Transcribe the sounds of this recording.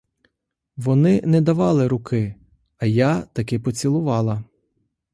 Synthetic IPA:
ʋɔnɪnɛd̪ɐʋɑlˠɪɾʊkɪ | ɐjat̪ɐkɪpɔt͡sʲilˠʊʋɑlˠɐ

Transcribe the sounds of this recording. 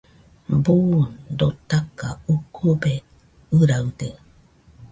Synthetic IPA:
bund̪ot̪akaukʰube | ɨɾaude

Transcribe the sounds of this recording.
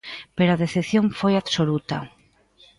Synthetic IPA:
peɾaðeθeθjoɱfojaβsolut̪a

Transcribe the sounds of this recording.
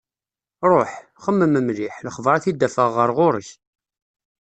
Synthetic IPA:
ɾˤoħ | χəmːəməmliħləχvɾˤɑθid̪ːæfəʁːəɾˤʁʊɾəç

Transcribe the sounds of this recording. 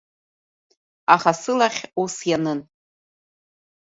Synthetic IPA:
aχasɨlaχʲusjanɨn

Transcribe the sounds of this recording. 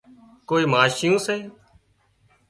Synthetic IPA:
koːiːmaːʃɪjõːseː

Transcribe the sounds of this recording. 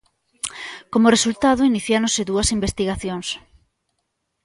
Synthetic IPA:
komʊresult̪aðʊiniθjaɾõnseðuɐsimbest̪iɣaθjoŋs

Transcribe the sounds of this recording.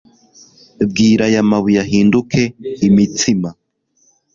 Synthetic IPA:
bɡiːɾajamaβujaɦiːndukʰe̞imitima

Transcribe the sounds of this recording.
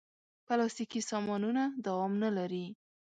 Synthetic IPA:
pəlɑst̪ikisɑmɑnunad̪awɑmnalaɾi

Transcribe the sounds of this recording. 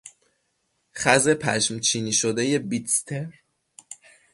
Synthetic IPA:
χæze̞pʰæʃmt͡ʃʰiːniːʃod̪eje̞bit̪st̪ʰeɾ

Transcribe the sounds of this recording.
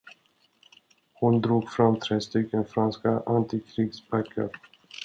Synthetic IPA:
hʊnd̪ɾuːɡfɾamːt̪ʰɾeːst̪ʏkːənfɾanskaʔant̪ɪkʰɾiːɡsbækʰːa̰ɾ

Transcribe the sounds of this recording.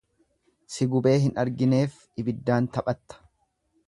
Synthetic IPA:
sɪɡʊbe̞ːɦɪnɐɾɡɪne̞ːf | ɪbɪd̪ːaːnt̪ɐpʼɐt̪ːɐ̥

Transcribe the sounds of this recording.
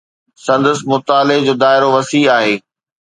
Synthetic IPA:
sɐ̃nd̪əsmʊt̪aːlɪd͡ʑoːd̪aːɪɾoʋɐsiːaːɦeː

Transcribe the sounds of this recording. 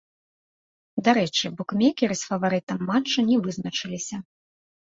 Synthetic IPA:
d̪aɾɛt͡ʂɨbɔkmʲɛkʲɛɾɨsfɐvaɾɨt̪ɐmːat͡ʂːɐnʲɛvɨznɐt͡ʂɨlʲisʲɐ

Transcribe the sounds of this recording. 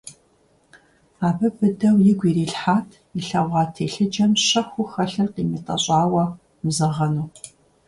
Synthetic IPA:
aːbɨbɨdɐwjɪɡʷiːriːɬħaːtʰ | iɬɐʁʷɑːtʰeːɬɨd͡ʒɐmɕɐxʷʊxɐɬɨrqiːmiːtʼɐ̰ɕʼaːwɐ | mzɐʁɐnuː

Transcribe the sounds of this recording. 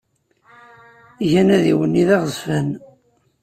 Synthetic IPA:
ʝænæðiwənːiðæʁzfən

